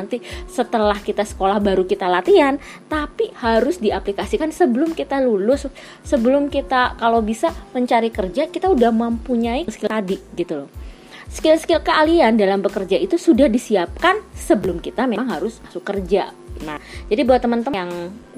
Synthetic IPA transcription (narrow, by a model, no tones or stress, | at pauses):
nt̪isət̪əlahkit̪asə̥kolahbaɾukit̪alat̪ian | t̪apihaɾʊsdiaplikasikansəbəlʊmkit̪alulʊsː | əbəlʊmkit̪akalobisaməɲt͡ʃaɾikərd͡ʒakit̪audahmampuɲaiskɪadiɡit̪ulɔ | skɪlskɪlkəaliandalambəkərd͡ʒait̪usudahdisiap̚kansəbəlʊmkit̪ameaŋɦaɾʊsmasukːərd͡ʒa̰ | nad͡ʒadibawat̪ːəmənt̪əjaŋ